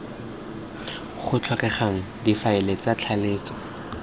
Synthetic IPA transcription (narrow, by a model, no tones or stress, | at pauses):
χʊt͡ɬʰɔkɛχaŋ̩difaɪlet͡sat͡ɬʰaleːt͡sɔ̥